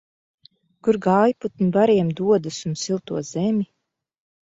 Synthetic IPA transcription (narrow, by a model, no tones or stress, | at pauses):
kuɾɡaːjput̪nibaɾiɛmd̪uɔd̪usunsilˠt̪uɔz̥ɛmʲi